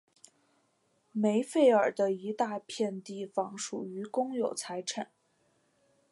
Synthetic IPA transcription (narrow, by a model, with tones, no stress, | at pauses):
me˧˥ɪfe˥˩ɪə˞˨˩d̪ə˦i˧˥t̪a˥˧pʰjɛ˥˧nt̪i˥˩fɑ˧˥ŋʂṵ˨˩y˧˥kʊ˥ŋjo˨˩ʊt͡sʰa˧˥ɪʈ͡ʂʰə˨˩˦n